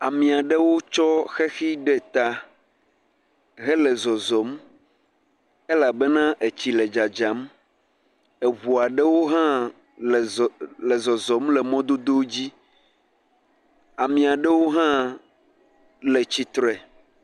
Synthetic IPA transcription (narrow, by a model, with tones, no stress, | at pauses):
a˨mĩ˨a˨ɖe˦wo˦t͡ʃɔ˦xɛ˦xi˦ɖɛ˦t̪a˨ | ɣɛ˦lɛ˨zɔ˨zɔ˨˦m | e˦la˨be˦nã˦ʔe˨t͡ɕi˨lɛ˨d͡ʒa˨d͡ʒa˨˦m | ɛ˨βu˨a˨ɖɛ˦wo˦ɦã˦˨ | lɛ˨zɔ˨zɔ˨˦mlɛ˨mɔ̃˦d̪o˦d̪o˦d͡ʑi˦ | a˨mĩ˨a˨ɖɛ˦wo˦ɦã˦ | le˨t͡ɕi˨t̪ɾɛ˨